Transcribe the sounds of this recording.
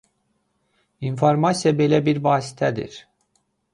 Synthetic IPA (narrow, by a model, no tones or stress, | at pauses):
infoɾmɑsijɑbe̞læbiɾvɑːsi̥t̪ʰæd̪ḭɾ̥